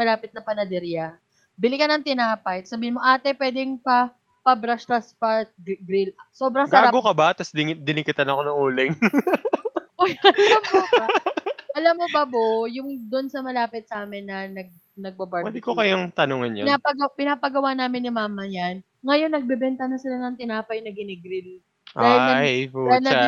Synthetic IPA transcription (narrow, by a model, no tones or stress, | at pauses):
mɐlaːpɪt̪̚nɐpɐnɐd̪ɛɾja | bɪlɪkɐnɐŋt̪ɪnaːpɐjsɐbiːhɪnmo̞ʔaːt̪ɛpwɛːd̪ɛŋpɐ | pɐbɾɐst̪ɐspɐɡɾɪlɐso̞ːbɾɐŋsɡɐaːaɡokɐbat̪ɐsd̪ɪd̪ɪnɪkɪt̪ɐnɐkonɐŋuːlɪŋ | ʔojɐlɐm | ʔɐlɐmːobɐbojʊŋd̪ʊnsɐmɐlaːpɪt̪̚sɐʔaːmɪnːɐnɐɡ̚ | nɐɡ̚bɐbɐɾwɛd̪ɪkokɐjaŋt̪ɐnoːŋɐnjɐ̰napɐɡɐpɪnaːpɐɡɐwaːnaːmɪnːɪmaːmɐjan | ŋɐjo̞nːɐɡ̚bɛbɛnt̪ɐnɐsɪlanɐŋt̪ɪnaːpɐjnɐɡɪnɛɡɾɪl | ʔaːhɪɐpːnɐ